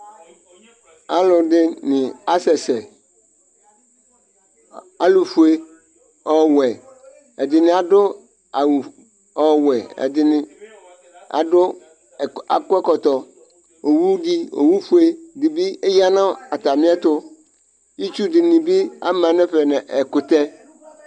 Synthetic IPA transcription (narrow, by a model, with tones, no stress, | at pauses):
a˦lʊ˨dɪ˦nɪ̃˨a˦sɛ˨sɛ˨ | a˨lu˨fu˨e˦ | ɔ˨wɛ˨ | ɛ˨dɪ˨nɪ̃˨a˨dʊ˦ | a˨w | ɔ˨wɛ˨ɛ̰˨dɪ˨nɪ˨ | a̰˨dʊ˦˨ | a̰˨kʊ˦ɛ˦kɔ˨t̪ɔ˨ | o˨wu˦di˦o̰˨wu˦fu˦e˦dɪ˨bi˦ɛ˦ja˦nã˦a˨t̪a˨mɪ̃˦ɛ˦t̪ʊ˦ | i˦t͡ʃu˦dɪ˨nɪ̃˨bi˦a̰˦mã˨nɛ̃˦ɸɛ˨nɛ̃˨ʔɛ˨kʊ˨t̪ɛ˦